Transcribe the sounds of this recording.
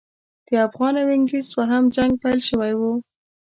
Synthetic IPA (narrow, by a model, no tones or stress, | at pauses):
d̪̥əafɣɑnawɪŋɡiswaɦamd͡ʒaŋɡ̚pajlʃəwajwu